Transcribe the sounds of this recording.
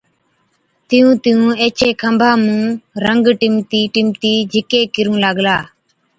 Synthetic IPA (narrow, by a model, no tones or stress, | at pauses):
t̪ɪjũːt̪ɪjũːeːt͡ʃeːkʰəmbʱaːmũːɾəŋɡʈɪmt̪iːʈɪmt̪iːd͡ʒʱɪkeːkɪɾũːlaɡlaː